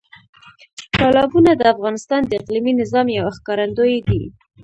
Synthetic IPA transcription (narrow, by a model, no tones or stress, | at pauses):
kɑlɑbunad̪əafɣɑnɪst̪ɑnd̪əɪqliminɪzɑmjawaxkɑɾand̪ojd̪ḭ